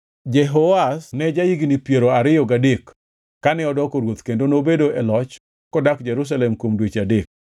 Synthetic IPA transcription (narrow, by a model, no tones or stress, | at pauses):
d͡ʒɛɦoasnɛd͡ʒaiɡinipjeɾoaɾɪjɔɡadekː | anɛɔdɔkoɾwot̪kendonobedoɛlɔt͡ʃ | kɔdakd͡ʒɛɾus̬alɛmkwomdwet͡ʃadek̚